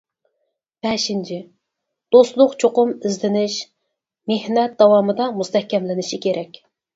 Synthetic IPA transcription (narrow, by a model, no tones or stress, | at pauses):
b̥ɛʃint͡ʃʰɪ | d̪̥ost̪lˠʊqt͡ʃʰoqʊmɪzlɪnɪʃ | mehnɛt̪̚d̪̥ɑwɑːmɨd̪ɑmust̪ʰɛhkʲɛmlɪnɪʃɪkʲʰeɾɛkʲ